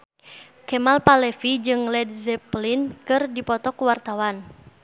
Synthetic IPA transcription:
kɛmalpalɛfid͡ʒɨŋlɛdzɛplinkɨrdipɔt̪ɔkwart̪awan

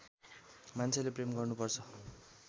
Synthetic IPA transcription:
mant͡sʰelepremɡʌrnupʌrt͡sʰʌ

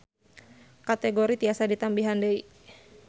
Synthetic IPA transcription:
kat̪ɛɡoɾit̪iasadit̪ambiɦandəi

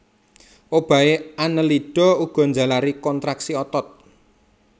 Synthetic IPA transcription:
ʔob̥a̤eanəliɖ̥ɔ̤uɡ̥ɔ̤ɲd͡ʒä̤laɾikɔnt̪ɾaksiɔt̪ɔt̪̚

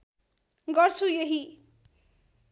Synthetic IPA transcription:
ɡʌrt͡sʰujeɦi

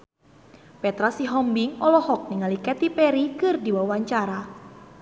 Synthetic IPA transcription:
pɛt̪ɾasiɦɔmbɪŋɔlɔhɔk̚niŋalikɛt̪ipɛɾikɨrdiwawaɲt͡ʃaɾa

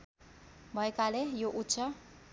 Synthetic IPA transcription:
bʱʌekalejoʔutːsʰʌ

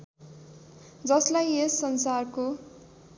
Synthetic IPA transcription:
d͡zʌslajesːʌnsarko

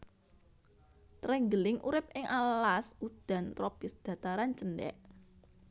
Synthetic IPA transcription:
t̪ɾɛŋɡəlɪŋʔṵɾɪp̚ɪŋʔalasud̪̥a̤nt̪ɾɔpɪsd̪̥ä̤t̪aɾant͡ʃəndɛ̰ʔ

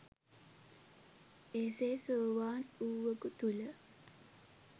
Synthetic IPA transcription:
eːseːsoːʋaːnuːʋəkut̪ulə

